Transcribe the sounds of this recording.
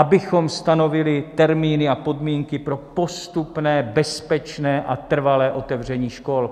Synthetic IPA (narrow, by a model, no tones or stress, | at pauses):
ʔabɪxo̞mst̪ano̞vɪlɪt̪ɛɾmiːnɪapo̞dmiːŋkɪpɾo̞po̞st̪upnɛːbɛspɛt͡ʃnɛːʔat̪r̩valɛːʔo̞t̪ɛvr̝ɛɲiːʃko̞l